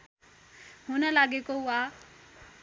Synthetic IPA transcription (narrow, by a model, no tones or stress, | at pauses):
hʊnəlaːɠekouaː